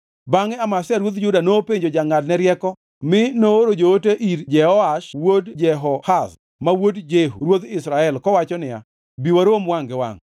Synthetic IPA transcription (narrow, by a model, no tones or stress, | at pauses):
baŋɛamasaɾwot̪d͡ʒʊdanopeɲd͡ʒod͡ʒaŋadnɛɾjɛkɔ | mɪnoɾod͡ʒooteʔiɾd͡ʒɛɔaʃwodd͡ʒɛɦɔhas | mawodd͡ʒeɦuɾwod̪ɪsɾaɛlkɔwat͡ʃɔnɪja̰ | biwaɾomwaŋɡɛwa̰ŋ